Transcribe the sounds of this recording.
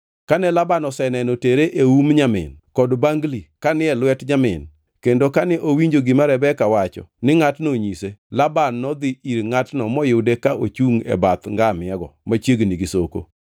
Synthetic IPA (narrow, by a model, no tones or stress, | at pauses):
kanɛlabanɔsɛnɛnoteɾeʔeumɲamɪ̰nkɔdbaŋɡlikanɪɛlwɛtɲamɪn | kendokanɛʔowiɲd͡ʒoɡɪmaɾɛbɛkawat͡ʃɔ̰nɪŋatnoɲiselabanːɔd̪ɪiɾŋatnɔmɔjʊdekaʔot͡ʃuŋɛ̰bat̪ŋɡamɪɛɡɔ̰mat͡ʃjeɡniɡisoko̰